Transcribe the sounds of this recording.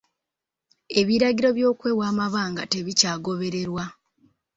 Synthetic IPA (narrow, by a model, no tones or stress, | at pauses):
e̞βiɾaɡiɾo̞βjo̞ːkwe̞ːwaːmaβaːŋɡa̰te̞βicaːɡo̞βe̞ɾe̞ɾwa